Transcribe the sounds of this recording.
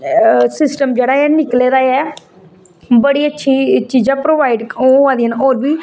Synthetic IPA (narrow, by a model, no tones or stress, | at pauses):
sɪsʈəmd͡ʒeːɽaːɛːnɪkleːɾaːɛː | bəɽiːətːʃʰiːt͡ʃiːzãːpɾoːʋaːiɖoãːd̪iːənoːɾbiː